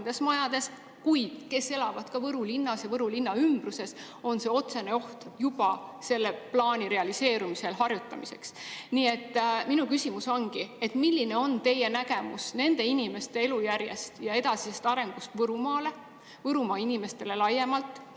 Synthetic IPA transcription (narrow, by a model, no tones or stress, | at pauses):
nd̪̥e̞smɑjɑd̪̥e̞s | kujd̪̥ke̞se̞lɑvɑd̪̥kɑvɤɾulinːɑsjɑvɤɾulinːɑymb̥ruse̞s | o̞nse̞o̞t̪se̞ne̞o̞ht̪jub̥ɑse̞lːe̞plɑːnʲiɾe̞ɑlise̞ːɾumise̞lɦɑrjut̪ːˑɑmise̞̰ksniːe̞t̪ːminukysʲimuso̞nɡ̥ie̞t̪milʲːine̞o̞nt̪e̞jenæɡe̞musne̞nd̪e̞inime̞st̪e̞e̞lujærje̞̰st̪jɑe̞d̪ɑsisest̪ɑɾe̞ŋɡ̥ust̪vɤɾumɑːle̞ | vɤɾumɑːinime̞st̪e̞le̞lɑjːe̞mɑlt̪ːˑ